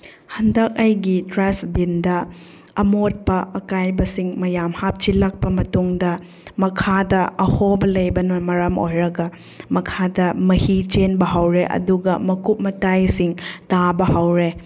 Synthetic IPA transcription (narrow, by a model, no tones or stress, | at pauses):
hɐndɐk̚ajɡitɾasbindɐ | ɐmot̚pɐɐkajbɐsiŋmɐjamhap̚t͡ʃilɐk̚pɐmɐtuŋdɐ | mɐkʰadɐʔɐhobɐlɐjbɐnɐmɐɾɐmo̰jɾɐɡɐ | mɐkʰadɐmɐhit͡ʃenbɐɦawɾeʔɐ̰duɡɐmɐkup̚mɐtajsiŋtabɐhawɾe